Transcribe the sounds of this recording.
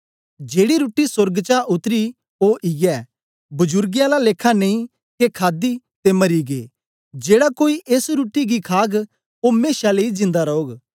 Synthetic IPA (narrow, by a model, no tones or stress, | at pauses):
d͡ʒeːɽiɾuːʈisʊɾɡt͡ʃaʔʊt̪ɾi | oʔiɡɛː | bʊd͡ʒʊɾɡɪjãlaleːkʰːaneĩ | kekʰaːd̪it̪emɐɾiɡeː | d͡ʒeːɽakoːiʔeːsɾuːʈiɡikʰaːɡ | omeːʃaleid͡ʒɪ̃nd̪aɾɐoːɡ